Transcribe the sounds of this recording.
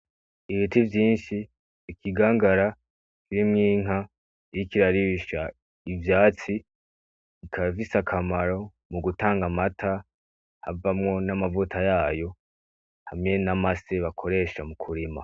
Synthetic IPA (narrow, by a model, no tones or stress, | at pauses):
iβitivjiːnʃiː | kiɡaːŋɡaɾa | kiɾimŋiːŋ̥ɦa | ɾikiɾaɾiβiʃa | ivjaːt͡si | ikʰavisakʰamaɾo̞ | muɡutaːŋɡamatʰa | havamŋo̞namavutʰajaːjo̞ | hamŋe̞namaseβakʰo̞ɾe̞ʃamukʰuɾima̰